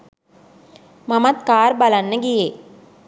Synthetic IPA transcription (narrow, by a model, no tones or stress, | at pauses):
mɐmɐt̪kaːɾbɐlɐnːəɡije